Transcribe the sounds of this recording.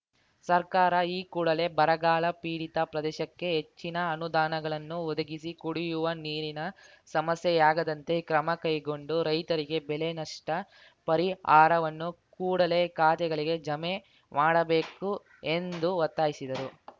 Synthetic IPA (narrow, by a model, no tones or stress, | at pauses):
sɐɾkaːɾɐiːkuːɽɐle̞bɐɾɐɡaːlɐpiːɽit̪ɐpɾɐd̪ɛːʃɐkːe̞ɦe̞t͡ʃːinɐːnud̪aːnɐɡɐɭɐnːuɔd̪ɐɡisikuɽijuʋɐniːɾinɐ | sɐmɐsjɛjaːɡɐd̪ɐnt̪e̞kɾɐmɐkɐjɡoɳɖuɾɐjt̪ɐɾiɡe̞bɛlenɐʂʈɐ | pɐɾiaːɾɐʋɐnːukuːɽɐle̞kaːt̪ɛɡɐɭiɡe̞d͡ʒɐme | maːɽɐbe̞ːku | e̞nd̪uʋɔt̪ːaːjisid̪ɐɾu